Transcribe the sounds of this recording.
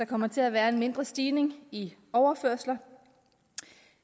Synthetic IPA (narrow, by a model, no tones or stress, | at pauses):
ɑ̈kʰɒ̽m̰ɐt͡sʰe̝læʋæːɐe̝nme̝nd̥ʁɐsd̥iːne̝ŋiɒʊɐføɐ̰slɐ